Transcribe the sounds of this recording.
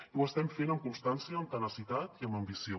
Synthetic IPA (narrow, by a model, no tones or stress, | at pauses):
uəst̪ɛmfenəmkunst̪ansiəːmkənəsit̪at̪iəməmbisio